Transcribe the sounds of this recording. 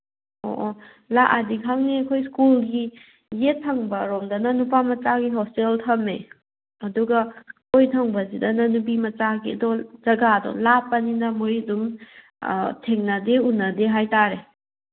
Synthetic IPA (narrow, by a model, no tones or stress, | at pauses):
o̰ʔ | laʔadikʰaŋniɐkʰojskulɡi | jetʰːɐŋbɐɾomdɐnɐnupamɐt͡ʃaɡiɦɔsteltʰɐme | ɐduɡɐ | ojtʰɐŋbɐzidɐnɐnub̬imɐt͡ʃaɡiɐdɔzɐɡadɔ̰lapːɐninɐmuɾidum̰ | tʰeŋnɐdeunːɐdeɦajtaɾe